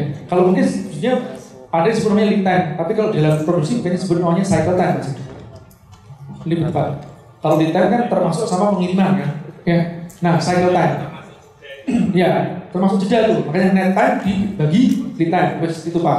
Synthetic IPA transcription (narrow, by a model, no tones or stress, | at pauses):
nkaloənk̪ɪsbusɲaadasəbʊt̪aɲalit̪ajnt̪apikaloʔdalampɾoduksimukaɲasəbʊt̪̚nowaɲasajkəlt̪ajnɡisit̪u | libət̪pa̰t̪ | kalolit̪ankant̪ərmasʊk̚samapəŋiɾimankanjanahsajkəlt̪an | jat̪ərmasʊk̚d͡ʒədalt̪umakaɲanɛt̪andibaɡilit̪anabast̪it̪upa